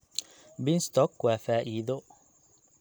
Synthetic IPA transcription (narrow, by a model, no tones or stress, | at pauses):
bɪnst̪ʰɔkwaːfaːʔiːðɔ